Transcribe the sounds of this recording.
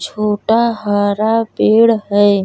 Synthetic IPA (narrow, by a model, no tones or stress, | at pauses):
t͡ʃʰoːʈaɦəɾapeɽɦəj